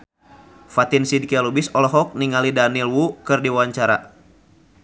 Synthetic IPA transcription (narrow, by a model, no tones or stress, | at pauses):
fat̪insidikɛlubisɔlɔɦɔk̚niŋalidanilwukɨrdiwaɲt͡ʃaɾa